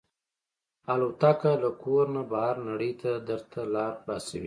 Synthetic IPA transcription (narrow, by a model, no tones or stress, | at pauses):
alot̪akalakoɾnabahaɾnaɽəjt̪ad̪əɾt̪ʰalɑɾxlɑsawḭ